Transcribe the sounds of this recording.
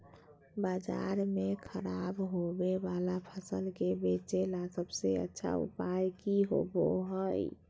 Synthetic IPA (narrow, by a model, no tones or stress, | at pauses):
bad͡ʒa̰ɾmekʰəɾabɦobebalapʰəsəlkebet͡ʃelasəbseə̰tːʃʰa̰ṵpajkiɦo̰bo̰ɦəj